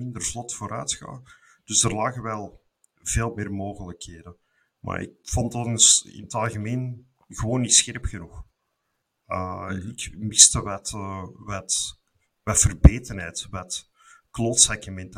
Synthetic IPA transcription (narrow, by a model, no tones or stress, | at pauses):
ɪndərvlɔtfoːɾœːtxa̰ː | d̥ʏzdərlaːɣəwɛlˠ | v̥eːlˠmɪːrmoːɣələkɦeːdən | ma̰ːɾɪ̰k̚fɔntɑnsɪ̰nətɑlˠɣəmeːn | ɣəwoːnːisxɛrpxənux | əɪkmɪstəwɛtwɛt | ʋɛtfərbeːtənɦɛːtwɛt | kloːtsɛkəmɛntə